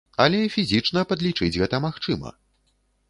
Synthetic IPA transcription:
ɐlʲɛifʲizʲit͡ʂnɐpɐd̪lʲit͡ʂɨd͡zʲɣɛt̪ɐmaxt͡ʂɨmɐ̰

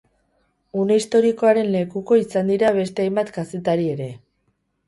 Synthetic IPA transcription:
une̞ist̪o̞ɾiko̞aɾe̞nle̞kuko̞isand̪iɾaβ̞e̞st̪e̞ajmbat̪kase̞t̪aɾie̞ɾe̞

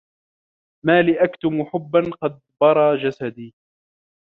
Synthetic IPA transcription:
maːlɪʔakt̪ʊmuħʊbːanqɑd̪̚bɑɾˤɑːd͡ʒasad̪iː

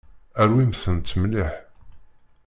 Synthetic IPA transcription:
æɾwimθənt̪ːəmliħ

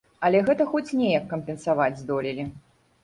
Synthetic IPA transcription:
ɐlʲɛɣɛt̪ɐxɔt͡sʲnʲɛjɐkːɐmpʲɛnsavad͡zʲzd̪ɔlʲilʲi

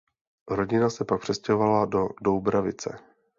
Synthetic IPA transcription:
ɾo̞ɟɪnasɛpak̚pr̥ɛscɛɦo̞valadodowbɾavɪt͡sɛ̰

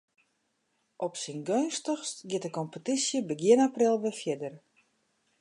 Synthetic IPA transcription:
ʔɔpsinɡønstəxstɡjɪtəkɔmpətisjəbəɡjɪənaprɪlˠʋəfjɪdər

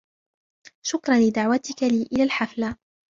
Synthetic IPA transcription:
ʃʊkɾˤɑnlɪd̪aʕwat̪ɪkaliːʔɪlaːlħafla

